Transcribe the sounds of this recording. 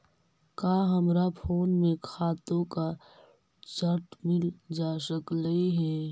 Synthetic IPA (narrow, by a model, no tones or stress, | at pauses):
kaːɦəmɾapʰoːnmẽkʰaːt̪õka | t͡ʃəɾʈmɪld͡ʒaːsəkləiɦɛː